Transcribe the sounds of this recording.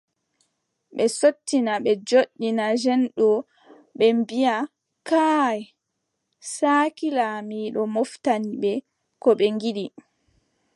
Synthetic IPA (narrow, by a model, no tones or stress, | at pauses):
ɓɛsotːinaɓɛd͡ʒoɗːinad͡ʒɛnɗɔ | ɓɛmbija | kaːj | saːkilamiːɗɔmoftaniɓɛ | kɔɓɛŋɡiɗi